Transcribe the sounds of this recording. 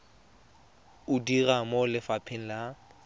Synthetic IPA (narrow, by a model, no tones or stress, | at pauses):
ʊdiramolɪfapʰɪn̩la